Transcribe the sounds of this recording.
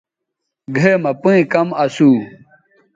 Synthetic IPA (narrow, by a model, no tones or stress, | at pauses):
ɡʱeːmɐpũĩkɐmɐsuː